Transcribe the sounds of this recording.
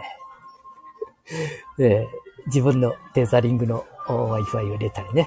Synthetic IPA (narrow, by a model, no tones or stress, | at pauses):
ed͡ʑibɯ̟̃nːo̞t̪e̞zaɾʲĩŋɡɯ̟no̞βaifɯaiɯɾe̞t̪aɾʲine